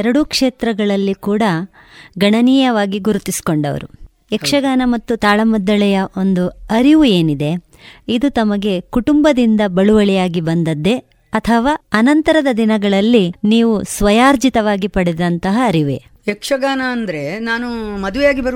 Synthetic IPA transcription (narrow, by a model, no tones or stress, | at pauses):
ɛɾɐɽukʂeːt̪ɾɐɡɐɭɐlːikuːɽɐ | ɡɐɳɐniːjɐʋaːɡiɡuɾut̪isi̥ko̞ɳɖɐ̰ʋɐ̰ɾu | ekʂɐɡaːnɐmɐt̪ːut̪aːɭɐmɔd̪ːɐɭɛjɐʔo̞nd̪uɐɾiʋue̞ːnid̪e̞ | id̪ut̪ɐmɐɡe̞kuʈumbɐd̪ind̪ɐbɐɭuʋɐɭijaːɡibɐnd̪ɐd̪ːe̞ | ɐt̪ʰɐʋaːɐnɐnt̪ɐɾɐd̪ɐd̪inɐɡɐɭɐlːiniːʋusʋɐjaːɾd͡ʒit̪ɐʋaːɡipɐɽɛd̪ɐnt̪ɐɦɐːɾiʋḛ | ekʂɐɡaːnɐːnd̪ɐɾe̞naːnumɐd̪uʋɛjaːɡibɐɾ